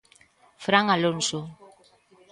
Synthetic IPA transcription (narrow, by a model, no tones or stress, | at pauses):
fɾaŋalonso